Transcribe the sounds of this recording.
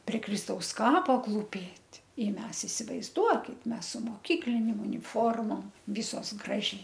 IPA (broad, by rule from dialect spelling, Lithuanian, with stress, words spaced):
pʲrʲɛ ˈkrʲɪstɐʊs ˈkɑːpoː klˠuːˈpʲeːtʲ ɪ ˈmʲɛs ɪsʲɪʋɐɪzˈduɔkʲɪt ˈmʲɛs sʊ moːˈkʲiːklʲɪnʲeːm ʊnʲɪˈfoːrmoːm ˈʋʲɪsoːs ˈɡrɑːʒʲɛɪ